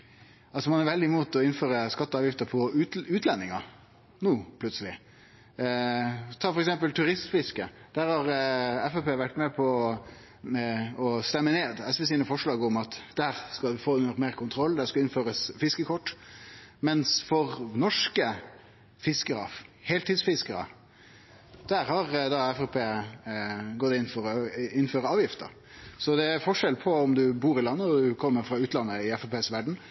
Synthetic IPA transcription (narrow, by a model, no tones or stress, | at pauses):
ɑlsɔmɑnæɾʋɛld̪ɪmuːt̪ɔɪnføːɾəskɑt̪ːəɑːʋjɪft̪əɾpʰɔʉːt̪ʰlɛnːɪŋɑ | nuːpʰlʉt̪səlɪ | t̪ʰɑːfɔɾɛksɛmpəlt̪ʰʉɾɪst̪fɪskəd̪̥æːɾhɑɾɛfɛpeːʋæʈmɛpʰɔ | ɔst̪ɛmːəneːd̪ɛsʋɛsiːnəfɔʂɭɑːɡɔmɑt̪d̪̥æːɾskɑʋɪfoːʉnəɾmeːɾkʰʊnt̪ʰɾɔlːd̪æskɑlɪnføːɾəsfɪskəkʰɔʈːmɛnsfɔɾnɔʂkə | fɪskəɾə̰heːlt̪ɪd̪sfɪskəɾə̰ | d̪̥æɾhɑɾd̪ɑɛfɛpʰeː | ɡɔt̪ːɪnfɔɾɔɪnːføːɾəɑːʋjɪft̪ə̰ɾ | sɔd̪ɛæɾfɔʂɛlpʰɔɔmd̪ʉbuːɾɪlɑnːəɔd̪ʉkʰɔmːəɾfɾɑʉːt̪lɑnːəɪɛfɛpʰeːsʋæɖɳ̩